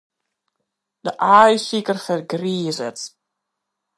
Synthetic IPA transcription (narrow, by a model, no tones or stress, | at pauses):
d̥əʔaːjsikərfərɡriːzət